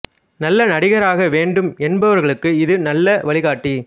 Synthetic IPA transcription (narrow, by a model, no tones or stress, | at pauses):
nɐlːɐnɐɽɪɣɐɾaːɣɐʋeːɳɖɯmɛnbɐʋɐɾɣɐɭɯkːɯɪðɯnɐlːɐʋɐɭɪɣaːʈːi